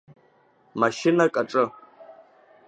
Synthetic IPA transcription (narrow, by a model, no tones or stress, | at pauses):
maʃɪnakʼaʈ͡ʂʼɨ